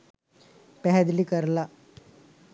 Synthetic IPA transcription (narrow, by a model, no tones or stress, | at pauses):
pɛɦɛd̪liːkəɾla